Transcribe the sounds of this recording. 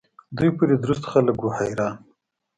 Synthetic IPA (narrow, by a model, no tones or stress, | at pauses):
d̪ujpəd̪ed̪ɾust̪xaləkwuhajɾɑːn